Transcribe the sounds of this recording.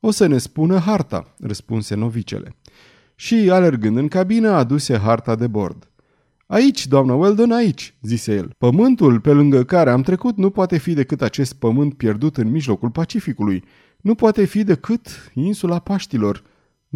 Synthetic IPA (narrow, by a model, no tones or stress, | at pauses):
o̞səne̞spunəɦart̪a̰rəspṵnse̞no̞vit͡ʃḛlʔe̞̰ | ʃiale̞rɡɨnd̪ɨŋkabinəad̪use̞ɦart̪ad̪e̞bo̞̰rd̪ | ait͡ʃʲd̪oamnəweld̪o̞nait͡ʃʲzise̞je̞̰lpəmɨnt̪ulpe̞lɨŋɡəkaɾe̞amt̪ɾe̞kut̪nupoat̪e̞fid̪e̞kɨt̪at͡ʃe̞st̪̚pəmɨnt̪̚pje̞rd̪ut̪ɨnmiʒlo̞kulpat͡ʃifikuluj | nupoat̪e̞fid̪e̞kɨt̪insulapaʃt̪ilo̞r